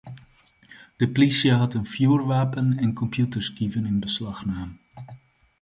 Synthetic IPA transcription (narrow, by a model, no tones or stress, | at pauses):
d̥əplisjəɦɑtənfjuːrʋaːpənɛnkɔmpjutəɹskivənɪnbəslɑχnaːm